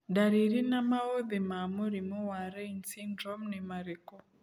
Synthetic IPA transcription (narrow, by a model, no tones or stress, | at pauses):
daɾiɾinamaoðimamuɾimɔwaɾɛinsind͡ʒɔmnɛmaɾikɔ